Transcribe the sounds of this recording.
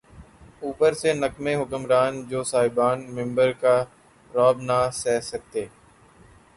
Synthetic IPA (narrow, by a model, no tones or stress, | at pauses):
uːpəɾsenəkmẽːɦʊkəmɾaːnd͡ʒoːsaːɦɪbaːnmɪ̃mbəɾkaː | ɾɔːbnasɛːsək̚t̪eː